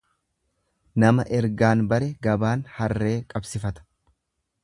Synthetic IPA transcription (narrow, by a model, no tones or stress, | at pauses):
nɐmɐʔɛɾɡaːnbɐɾɛɡɐbaːnhɐrːe̞ːkʼɐbsɪfɐt̪ɐ̥